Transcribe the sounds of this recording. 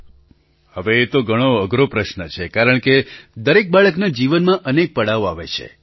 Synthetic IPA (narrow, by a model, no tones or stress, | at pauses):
həʋeːt̪oɡʱəɽ̃oəɡɾopɾəʃnət͡ʃʰekaɾəɳ̃ked̪əɾek̚baɭəknad͡ʒiʋənmãʔənek̚pəɽaoaʋḛt͡ʃʰḛ